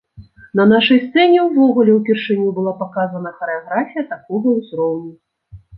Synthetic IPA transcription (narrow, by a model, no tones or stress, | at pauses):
nɐnaʂɐjst̪sɛnʲɛwvɔɣulʲɛwpʲɛrʂɨnʲubɨlˠapakazɐnɐxɐɾɛaɣɾafʲijɐt̪akɔɣɐwzɾɔwnʲu